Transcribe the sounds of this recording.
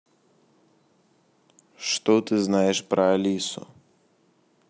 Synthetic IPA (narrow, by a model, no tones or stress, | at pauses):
ʂt̪ɔt̪ɨznajɛʂpɾɐːlʲisʊ̰